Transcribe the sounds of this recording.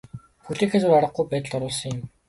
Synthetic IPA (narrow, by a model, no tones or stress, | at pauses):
xuɮiːkxet͡sʊraɾə̆χ̚ɡujpæːt̪ə̆ɮɔɾʊːɮsɞ̆ŋjɪ̆m